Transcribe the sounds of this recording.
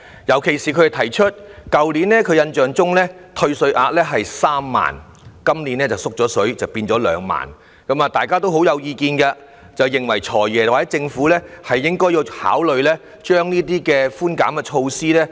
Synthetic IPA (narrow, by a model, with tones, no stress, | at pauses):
jɐ˨˩wkʰe˨˩jsiː˨kʰɵ˧˨˩tʰɐ˨˩jt͡ʃʰɵ˥t̚kɐ˨wliː˨˥nlɛː˥kʰɵ˨˧jɐ˧nt͡ʃœː˨ŋt͡sʊ˥ŋlɛː˥t̪ʰɵ˧ɥsɵ˧ɥʔaː˧t̚lɛː˥ɦɐ˨jsaː˥mːa̰ː˨˩n | kɐ˥mliː˨˥nɛː˥t͡sɐ˨wsʊ˥k̚t͡sɔː˨˥sɵ˨˥ɥt͡sɐ˨˩wpiː˧nt͡sɔː˨˥lœ̰ː˨˧ŋma̰ː˨˩n | kɐ˨˥maː˨˧t̪aː˨jkaː˥t̪o˥wɦo˨˥wjɐ˨˧wjiː˧kiː˧nkɐ˧ | t͡sɐ˨wjɪ˨˩ŋwɐ̰˨˩jt͡ʃʰɔː˨˩jɛː˨waː˨ɛ˨˦˥t͡sɪ˧ŋfuː˨˥lɛː˥hɐ˨jːɪ˥ŋkɔː˥ji˨˧wha̰ː˨˥wlɵ˨˧ɥlɛː˥ | t͡ʃœː˥ŋniː˥t̪̬iː˥kɛː˧fuː˥nkaː˨˥mkɛ˧t͡ʃʰo˧wsiː˥lɛː˥